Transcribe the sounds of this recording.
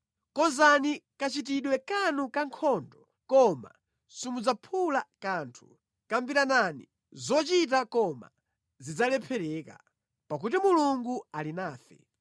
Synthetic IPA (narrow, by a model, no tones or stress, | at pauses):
kɔnzanikat͡ʃit̬iɗwɛkanukaŋkʰɔːndɔ | kɔma̰ | simud͡zapʰulakaːntʰu̥ | kambiɾananḭ | zɔt͡ʃit̬akɔma̰ | zid͡zalɛpʰɛɾɛka̰ | pak̬utimuluŋɡualinaːfɛ̰